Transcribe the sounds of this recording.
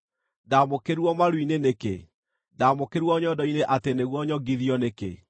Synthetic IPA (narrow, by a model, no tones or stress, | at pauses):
damokeɾwɔmaɾwinenekḛ | daːmokeɾwɔɲɔdɔineʔateneɣwɔɲɔɡiðiɔnekḛ